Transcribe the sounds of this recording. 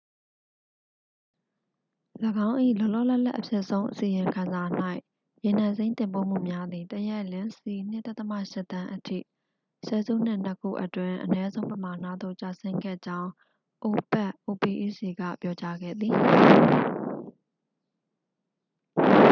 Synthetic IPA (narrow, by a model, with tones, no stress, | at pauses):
ləɡã˦ʊ̃ʔḭ˦˨lɔ˦˨lɔ̰˦˨lɛ˦ʔla̰˦ʔəpʰjɛ˦˨ʔsõ˦ʊ̃ʔəsi˨jɪ̃˨ŋkʰã˨nza˨n̥a˦ɪʔ | je˨n̥ã˨nzẽ˦ɪ̃nt̪ɪ̃˨mpo̰˦˨m̥ṵ˦˨mja˦d̪ði˨t̪əjɛ˦˨lɪ̃˦nsi˨n̥ɪ̰˦t̪ːa˦t̪əma̰˦˨ʃɪ˦ʔt̪ã˦ʔətʰḭ˦˨ | sɛ̰˨zṵ˦˨n̥ɪ˦˨n̥ə˦kʰṵ˦˨ʔətwɪ̃˨ʔənɛ˦zõ˦ʊ̃mpəma˨n̥ä̰˦˨d̪ðo̰˦˨t͡ɕa˨sɪ̃˦ŋɡɛ̰˦˨d͡ʑã˦ʊ̃ | ʔo˨pɛ˦ʔʔo˨pi˨ʔḭ˦˨si˨ɡa̰˦˨pjɔ˦t͡ɕa˦ɡɛ̰˦˨d̪ði˨